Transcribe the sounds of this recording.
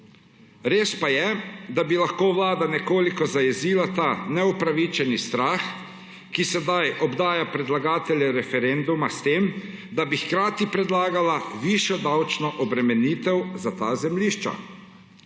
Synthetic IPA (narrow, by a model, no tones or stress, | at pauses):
ɾeːspajɛd̪abilaxkoːʋlaːd̪anɛkoːlikɔzajɛziːlat̪anɛupɾaʋit͡ʃɛnist̪ɾaːx | kisɛd̪ajʔɔbd̪aːjapɾɛd̪laɡaːt̪ɛlʲjɛɾɛfɛɾend̪umast̪eːm | d̪abixkɾaːt̪ipɾɛd̪laːɡalaʋiːʃjɔd̪awt͡ʃnɔʔɔbɾɛmɛniːt̪ɛwzat̪aːzɛmliːʃt͡ʃa̰